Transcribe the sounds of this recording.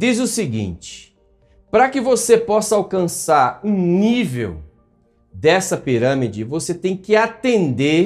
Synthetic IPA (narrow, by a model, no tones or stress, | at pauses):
d͡ʒ̪izʊsɪɡḭ̃nt͡ʃɪ̥ | pɾɐkɪvosepɔsɐawkɐ̃saɾũnivḛw | d̪ɛsɐpiɾɐ̃mid͡ʒɪvoset̪ẽj̃kɪat̪ẽnd̪eɾ